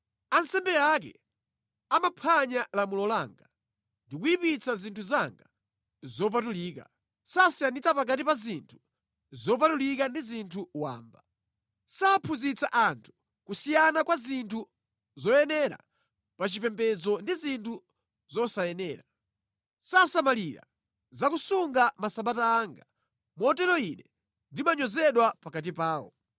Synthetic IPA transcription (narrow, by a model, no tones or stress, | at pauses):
ansɛmbɛak̬ɛ̰ | amapʰaɲalamulɔlaːŋɡa | ndikuipit͡sazintʰuzaŋɡa | zɔp̬atuliːka̰ | sasijanit͡sapak̬atipazintʰu̥ | zɔp̬atulikandizintʰuwa̰ːmba | sapʰuzit͡saʔantʰu̥ | kusijanakwazintʰu | zɔjɛnɛɾa̰ | pat͡ʃipɛmpɛd͡zɔndizintʰu | zɔsajɛnɛːɾa | sasamaliɾa̰ | zakusuŋɡamasaɓataːŋɡa | mɔtɛlɔinɛ | ndimaɲɔzɛɗwapakat̬ipaːwɔ̰